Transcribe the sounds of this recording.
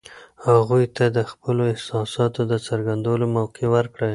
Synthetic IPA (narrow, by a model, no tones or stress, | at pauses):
haɣujt̪ad̪əxpəloɪhsɑsɑt̪od̪ət͡səɾɡand̪awlomawqewəɾkɽə